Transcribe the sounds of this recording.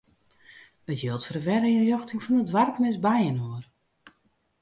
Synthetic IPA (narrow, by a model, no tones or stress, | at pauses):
ətjiəlˠtfərəʋɛɾəənjoxtɪŋfɔnətʋarkmɪsbajənoər